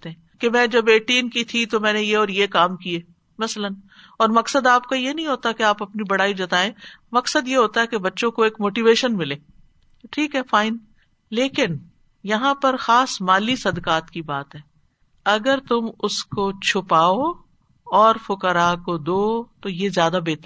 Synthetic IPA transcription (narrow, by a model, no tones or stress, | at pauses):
t̪eɦɛ̃ | kemɛ̃ːd͡ʒɐbeːʈiːnkit̪ʰit̪omɛ̃ːnejeɔːɾjekaːmkieː | mɐslən | ɔːɾmɐksəd̪aːp̚kajenɐɦĩɦoːt̪akeaːpɐpnibɐɽaːid͡ʒɐt̪aːẽːmɐksəd̪jeɦoːt̪aɦɛkebɐtːʃõkoeːkmoːʈiʋeːʃənmɪleː | ʈʰiːkɦɛːfaːɪn | leːkɪn | jɐɦãpɐɾxaːsmaːlisɐd̪kaːt̪kibaːt̪ɦɛː | ɐɡəɾt̪ʊmʊskot͡ʃʰʊpaːo | ɔːɾfʊkəɾakod̪oːt̪ojezjaːd̪abeːt̪əɾ